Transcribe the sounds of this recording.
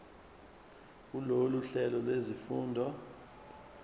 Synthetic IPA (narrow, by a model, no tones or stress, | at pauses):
kuloluɬɛlɔlwezifuːndʱɔ